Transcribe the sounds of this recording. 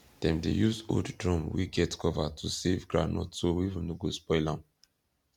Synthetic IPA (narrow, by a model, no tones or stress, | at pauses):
d̥ɛ̃mdḛjuzo̰ddɹɔ̃mwḭɡɛtkʰɔvatʰusevɡɹanɔ̰tsowiivũnoɡospɔɪlãm